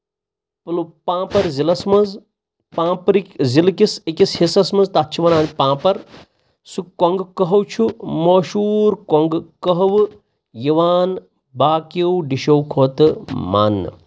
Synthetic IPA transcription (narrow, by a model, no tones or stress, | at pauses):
plupãːpɐɾzilɐsmɐz | pãːpɾikzilkisekishisɐsmɐzt̪atːt͡ʃʰiʋɐnaːnʲpãːpɐɾ | sukoŋɡkɐɦɐwt͡ʃʰumoːʃuːɾkoŋɡkɐɦɐʋ | jiʋaːn | baːkewɖiʃɐwkʰoːt̪ɨma̰ːnːɨ̰